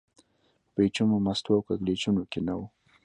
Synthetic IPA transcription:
pet͡ʃumomast̪wawkaɡlet͡ʃunokenawu

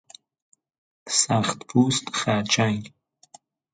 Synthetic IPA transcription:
saχt̪pʰuːst̪χaːt͡ʃʰaŋ

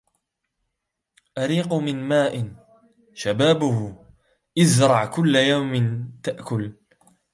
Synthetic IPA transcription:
ʔaɾiːqʊmɪnmaːʔɪn | ʃabaːbʊhʊ | ʔɪzɾˤɑʕkʊlːajawmɪnt̪aʔkʊl

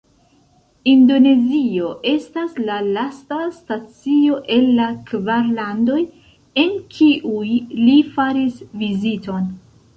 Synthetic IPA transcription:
indo̞ne̞zio̞ʔe̞staslalastastat͡sio̞ʔe̞lːakvaɾlando̞j | e̞nkʰiʔujlifaɾisvizito̞n

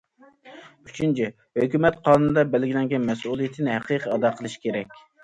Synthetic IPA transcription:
yt͡ʃʰynt͡ʃʰi | høkʲymɛt̪qʰɑnunɨd̪ɑbælɡʲilɛŋɡʲɛnmɛsulˠijit̪ʰɪnɪɦæqʰiqʰəɑd̪ɑqʰəlˠɨʃi̥kʲʰeɾɛkʲ

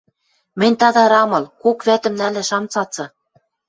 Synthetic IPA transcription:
mɘ̆nʲt̪ɑd̪ɑɾɑmɤ̆lkokβæt̪ɘ̆mnælæ̆ʃɑmt͡sɑt͡sɤ̆

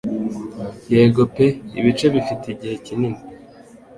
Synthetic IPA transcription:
jeːɡo̞pe̞ḭβit͡ʃe̞βifiteiɟihe̞cinimi

